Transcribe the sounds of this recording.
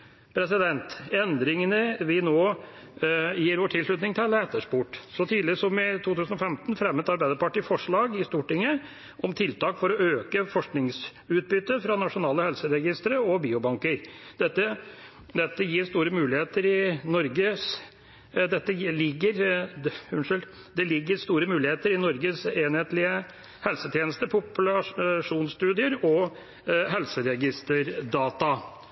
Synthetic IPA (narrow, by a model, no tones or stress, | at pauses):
pʰɾɛsɪd̪ɛnt̪ɛnd̪ɾɪŋənəʋɪnoː | jiːɾʋoːʈʰɪlslʉt̪nɪŋt̪ʰɪlɛt̪əʂpuːʈsɔt̪ʰiːd̪lɪsɔmɛt̪ʰuːt̪ʉːsnɔfɛmt̪n̩fɾɛmːət̪ɑɾbæɪd̪əɾpɑʈiːfɔʂɭɑːɡɪst̪uːʈɪŋːə | ʔɔmt̪ʰɪlt̪ɑːkfɔɾɔøːkəfɔʂknɪŋs | ʉːt̪̚bʏt̪ːəfɾɑnɑʂʊnɑːləhɛlsəɾɛɡɪst̪ɾəɔbiːʊbɑŋkəɾd̪̥ɛt̪ːə | d̪ɛt̪ːəjiːɾst̪uːɾəmʉːlɪheːt̪əɾɪnɔɾɡəs | d̪ɛt̪ːəlɪɡːəɾhʉnʂɪl | d̪ɛlɪɡːəɾst̪uːɾəmʉːlɪheːt̪əɾɪnɔɾɡəseːnheːt̪lɪə | hɛlsət̪ʰjeːnəst̪əpʰʊplɑʂuːnst̪ʉːd̪ɪəɾɔ | ɦɛlsəɾɛɡɪst̪əɾd̪ɑːt̪ɑ